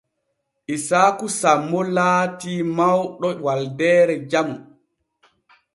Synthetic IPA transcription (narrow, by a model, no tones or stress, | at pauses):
ʔisaːkusamːɔlaːtiːmawɗɔwaldɛːɾɛd͡ʒamu